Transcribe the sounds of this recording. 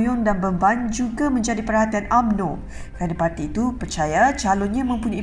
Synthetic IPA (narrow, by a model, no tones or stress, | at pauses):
jʊŋdanbəmband͡ʒuɡamə̃ɲd͡ʒadipərɦat̪ianʔamnõ | kɾanapart̪iːt̪upərt͡ʃajat͡ʃalʊnɲãmə̃mpuɲãi